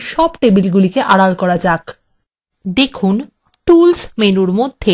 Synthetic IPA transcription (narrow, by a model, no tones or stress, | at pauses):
ʃɔbʈebilɡulikeʔaɽalkɔɾad͡ʑak | d̪ekʰun | ʈulsmenuɾmod̪ʱːe